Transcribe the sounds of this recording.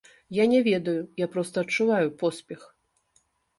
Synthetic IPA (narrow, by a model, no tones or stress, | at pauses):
janʲɛvʲɛd̪ɐjujapɾɔst̪ɐɐtt͡ʂːuvajupɔspʲɛx